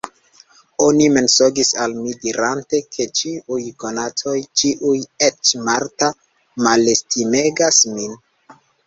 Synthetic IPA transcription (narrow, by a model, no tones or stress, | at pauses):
o̞nime̞nso̞ɡisalmidiɾante̞kʰe̞t͡ʃiujko̞natʰo̞jt͡ʃiʔuje̞t͡ʃmaɾta | male̞stime̞ɡasmin